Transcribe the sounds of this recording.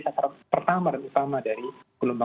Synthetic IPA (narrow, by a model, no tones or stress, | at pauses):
sakaɾapərt̪amadanut̪amadaɾikulumba